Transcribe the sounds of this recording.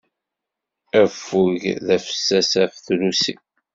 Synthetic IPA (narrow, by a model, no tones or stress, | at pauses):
æfːuʝðæfə̥sːæsæfθlusḭ